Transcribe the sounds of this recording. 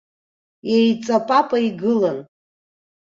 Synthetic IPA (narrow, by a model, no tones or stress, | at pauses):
jejt͡sʼapʼapʼaiɡɨlan